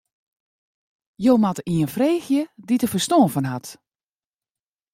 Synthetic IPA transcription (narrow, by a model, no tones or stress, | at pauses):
jowmatiənfreːxjəditəfərstoːvənɦat